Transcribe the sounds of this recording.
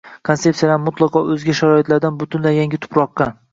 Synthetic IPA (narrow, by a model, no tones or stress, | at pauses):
kʰonse̞psijalaɾmʊt̪lˠɑqʰɒʔɵzɡʲaʃaɾɒɪt̪laɾd̪anbʊt̪ʰʊnlajaŋɡʲɪt̪ʰʊ̥pɾɒqːɑ